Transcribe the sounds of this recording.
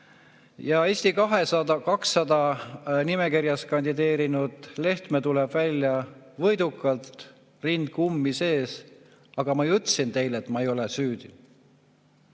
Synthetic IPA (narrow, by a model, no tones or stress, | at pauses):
jɑe̞sʲt̪ikɑɦe̞sɑd̪ɑkɑksːɑd̪̥ɑnime̞kirjɑskɑnʲd̪id̪e̞ːɾinud̪̥le̞ht̪met̪ulɛb̥vælʲːjɑvɤ̞jd̪̥ukːˑɑlt̪ | rind̪̥̚kumːise̞ːs | ɑɡ̥ɑmɑjut̪ːˑsint̪e̞jle̞t̪ːmɑe̞jo̞lesyːd̪̥i